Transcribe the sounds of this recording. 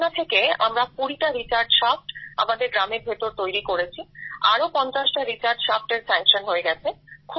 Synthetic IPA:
nat̪ʰekea̰mɾakuɽiʈaɾit͡ɕaɾɖʃafʈa̰mad̪eɾɡɾameɾbʱet̪ːoɾt̪ojɾikoɽet͡ɕʰia̰ɾopɔnt͡ɕaʃʈaɾit͡ɕaɾɖʃafʈeɾsɛŋkʃonɦoeɡɛt͡ɕʰekʰu

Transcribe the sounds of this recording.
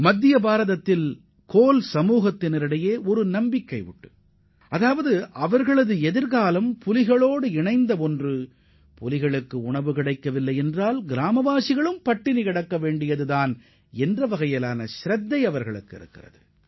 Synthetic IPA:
mɐd̪ːɪjɐbaːɾɐðɐt̪ːɪl | koːlsɐmuːɣɐt̪ːɪnɪɾɪɽɐjeːɔɾɯnɐmbɪkːɐɪʊ̰ʈːɯ̥ | ʔɐðaːʋɐðɯʔɐʋɐɾɣɐɭɐðɯɛðɪɾɣaːlɐmpʊlɪɣɐɭoːɽɯɪɳɐɪnd̪ɐɔndrɯ | pɔlɪɣɐɭɯkːɯʊɳɐʋɯkɪɽɐɪkːɐʋɪlːɐɪɛndraːlɡɪɾaːmɐʋaːsɪɣɐɭɯmpɐʈːɪnɪkɐɽɐkːɐʋeːɳɖɪjɐðɯðaːn | ɛndrɐʋɐɣɐjɐlaːnɐʃɾɐd̪ːɐɪɐʋɐɾɣɐɭɯkːɪ̰ɾɯkːɪrɐ̰ðɯ

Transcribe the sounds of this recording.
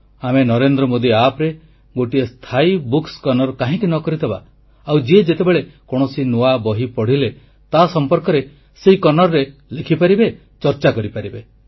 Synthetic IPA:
amenɔɾend̪ɾɔmod̪iapɾe | ɡoʈiest̪ʰaibukskɔnɔɾɔkaɦĩkinɔkɔɾid̪ʱeba̰ | awd͡ʒied͡ʒet̪ebeɭekɔɽ̃ɔsinoabɔɦipɔɽ̤ile | t̪asɔmpɔɾkɔɾe | seikɔnɔɾːelikʰipaɾibe | t͡ʃɔɾt͡ʃakɔɾipaɾibe

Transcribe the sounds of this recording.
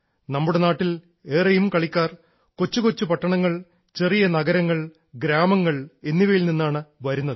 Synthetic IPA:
nɐmːuɽe̞naːʈːil | e̞ːrɐjumkɐɭikʲːaːr | ko̞t͡ɕːukot͡ɕːupɐʈːɐɳɐŋːɐɭ | t͡ɕe̞rijɐnɐɡɐɾɐŋːɐɭ | ɡɾaːmɐŋːɐɭe̞nːiʋɐjilninːaːɳɨʋɐɾunːɐðɨ

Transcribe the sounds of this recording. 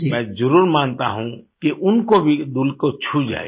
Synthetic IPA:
d͡ʒmɛ̃zəɾuːɾmaːnt̪a̰ɦũkiʔʊnkobʱid̪ʊlkot͡ʃʰud͡ʒa̰ːḛ

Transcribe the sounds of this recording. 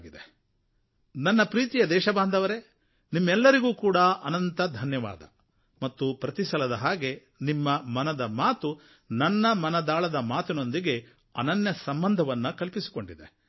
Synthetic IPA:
ɡid̪e | nɐnːɐpɾiːt̪ijɐd̪ɛːʃɐbaːnd̪ʱɐʋɐɾe̞ | nimːɛlːɐɾiɡuːkuːɽɐɐnɐnt̪ɐd̪ʱɐnjɐʋa̰ːd̪ɐ̰ | mɐt̪ːupɾɐt̪isɐlɐd̪ɐɦaːɡe̞ | nimːɐmɐnɐd̪ɐmaːt̪u | nɐnːɐmɐnɐd̪aːɭɐd̪ɐmaːt̪ino̞nd̪iɡe̞ | ɐ̰nɐnjɐsɐmbɐnd̪ʱɐʋɐnːukɐlpisi̥ko̞ɳɖid̪e

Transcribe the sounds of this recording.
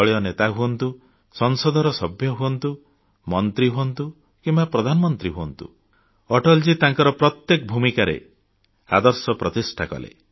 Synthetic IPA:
ɔɭiɔnet̪aɦuɔnt̪u | sɔŋsɔd̪ʱɔɾɔsɔbʱjɔɦuɔnt̪u | mɔnt̪ɾiɦuɔnt̪u | kimbapɾɔd̪ʱanɔmɔnt̪ɾiɦuɔnt̪ṵ | ɔʈɔld͡ʒit̪aŋkɔɾɔpɾɔt̪jekbʱumikaɾḛ | a̰d̪ɔɾsɔpɾɔt̪isʈʰakɔ̰lḛ

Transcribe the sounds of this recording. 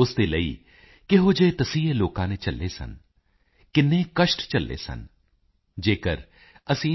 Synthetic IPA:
ʊst̪eːləiː | kɪɦoːd͡ʒeːt̪əsĩːeːloːkãːnet͡ʃəlːeːsə̰n | kɪnːẽːkəʃʈt͡ʃəlːḛːsə̰n | d͡ʒeːkəɾ | əsĩː

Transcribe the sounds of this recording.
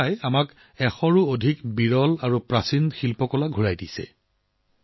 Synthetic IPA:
ajamak | ɛxɔɹuodʱikbiɹɔlaɹupɹasinxilpɔkɔlaɡʱuɹajdisɛ̰

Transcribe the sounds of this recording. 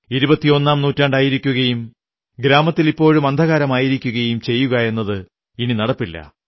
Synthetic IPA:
iɾubɐt̪ːio̞nːaːmnuːtːaɳɖaːjiɾikʲːuɣɐjum | ɡɾaːmɐt̪ːilipːo̞ːɻumɐnd̪ʱɐɣaːɾɐmaːjiɾikʲːuɣɐjumt͡ɕe̞jːuɣɐe̞nːɐðɨ | ininɐɽɐpːilːɐ̰

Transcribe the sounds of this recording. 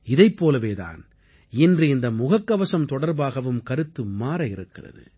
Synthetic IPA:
ɪðɐɪpːoːlɐʋeːða̰ːn | ɪndrɯɪnd̪ɐmʊɣɐkːɐʋɐsɐmt̪ɔɽɐɾbaːɣɐʋɯmkɐɾɯt̪ːɯmaːɾɐɪɾɯkːɪrɐ̰ðɯ̰

